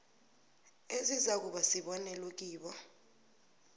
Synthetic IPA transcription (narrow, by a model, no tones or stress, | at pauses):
ezizak̬uɓasiɓɔnɛlwok̬iːɓɔ